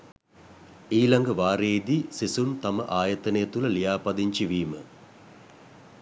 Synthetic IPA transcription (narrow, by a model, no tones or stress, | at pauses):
iːlaŋɡəʋaːɾeːd̪isisunt̪aməʔaːjɐt̪ənəjət̪ulɐlijaːpɐd̪iɲt͡ʃiʋiːmə̰